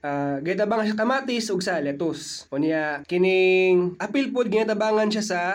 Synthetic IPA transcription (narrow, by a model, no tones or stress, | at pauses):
ʔaɡɛt̪ɐbaːŋɐnʃakɐmaːt̪ɪsʔʊɡsɐlɛt̪osʔonjakɪnɪŋʔɐpɪlpod̪̚ɡɪnaːt̪ɐbaːŋɐnʃasɐ